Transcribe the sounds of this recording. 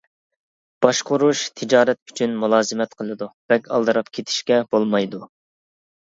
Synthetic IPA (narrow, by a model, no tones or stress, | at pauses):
b̥ɑʃqʊɾuʃt̪ʰɪd͡ʒɑːɾɛt̪̚y̥t͡ʃʰynmulˠɑːzɨmɛt̪qʰəlˠɨd̪ub̥ɛkʲɑ̰lˠd̪ɨɾɑpkʲʰet̪ʰɪ̥ʃkʲɛb̥olˠmɑjd̪u